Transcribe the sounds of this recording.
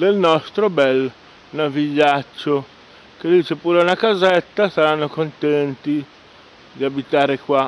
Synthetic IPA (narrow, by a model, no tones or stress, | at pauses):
d̪elnɔst̪ɾobɛl | naviʎːat͡ʃːo | k̟ed̪iːt͡ʃepuːɾeunakazɛt̪ːasaɾanːokont̪ɛnt̪i | d̪iabit̪aːɾekwa